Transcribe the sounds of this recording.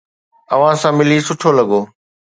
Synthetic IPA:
ɐʋ̤ãsãːmɪliːsʊʈʰoːlɐɠoː

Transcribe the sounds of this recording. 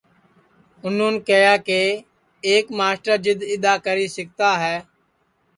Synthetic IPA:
ʊnũːnkəjaːkeː | eːkmaːsʈəd͡ʒɪd̪ɪd̪aːkəɾiːsɪk̚t̪aːɦɛː

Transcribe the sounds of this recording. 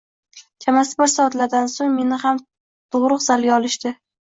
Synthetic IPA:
kʰamasɪbɒɾsɒat̪laɾd̪ansoŋme̞nɪham | t̪ʰʊʁɾʊqz̥alɡʲaɒlɪʃt̪ɪ

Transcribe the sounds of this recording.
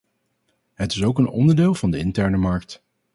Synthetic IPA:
ɦətɪsowkənɔ̰ndəɹdeːlˠvɑndəɪ̰ntɛɹnəmɑɹk̚t

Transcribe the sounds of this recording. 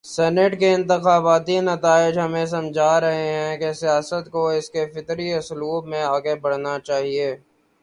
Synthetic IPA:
sɛːnɪʈkeɪ̃nt̪ɪxaːbaːt̪inɐt̪aːɪd͡ʒɦɐmẽs̬ɐmd͡ʒʱaːɾɐɦeɦɛ̃kesijaːsət̪koɪskefɪt̪ɾiʊsluːbmẽaːɡebɐɽ̤nat͡ʃaːɦieː

